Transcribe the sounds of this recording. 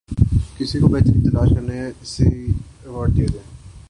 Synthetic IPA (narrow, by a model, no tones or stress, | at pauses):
kɪsikobɛːt̪eɪt̪ɐlaːʃkɐɾneɪseɛʋaːɾɖd̪ijaɡaː